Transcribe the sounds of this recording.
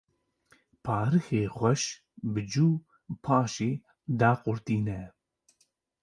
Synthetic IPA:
pʰɑːɾɨxeːxʷɛʃ | bɨd͡ʒuː | pʰaːʃeː | d̪aːqʼʊɾt̪iːnɛ

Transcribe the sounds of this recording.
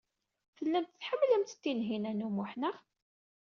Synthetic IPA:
θəlːænt̪θħəmːlæmt̪ə̥t̪ːinɦinænumʊħnəʁ

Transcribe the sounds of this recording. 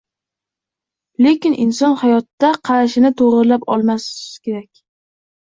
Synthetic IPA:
le̞kʲɪnʔɪnsɒnhajɒt̪ːaqʰɑɾaʃɪnɪt̪ʰoʁɾɨlapɒ̰lˠmaskʲʰe̞ɾakʲ

